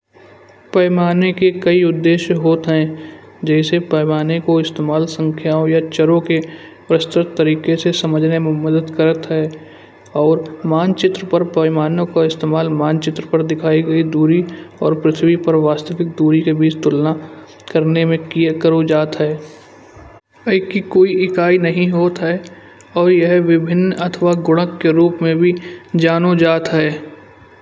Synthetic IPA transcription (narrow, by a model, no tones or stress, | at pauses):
pɐɪmaːnekekɐiʊd̪ːeːʃɦoːt̪ɦɛ̃ | d͡ʒɛːsepɐːmaːnekoɪst̪eːmaːlsə̃ŋkʰjaːõjat͡ʃəɾõke | pɾəst̪ɾət̪ːəɾiːkesesɐməd͡ʒʱnemẽməd̪əd̪kəɾət̪ɦɛː | ɔːɾmaːnt͡ʃɪt̪ɾəpəɾpɐɪmaːnõkaɪst̪eːmaːlmaːnt͡ʃɪt̪ɾəpɐɾd̪ɪkʰaːiɡɐid̪uːɾiɔːɾpɾɪt̪ʰwipɐɾʋaːst̪əʋɪk̚d̪uːɾikebiːt͡ʃt̪ʊlna | kəɾnemẽkijekəɾod͡ʒaːt̪ɦɛː | əɪkikoːiɪkaːinɐɦĩɦoːt̪ɦɛː | ɔːɾjɐɦʋɪbʱɪnːɐt̪ʰʋaɡʊɽ̃ə̃kːeɾuːpmẽbʱid͡ʒaːnod͡ʒaːt̪ɦɛː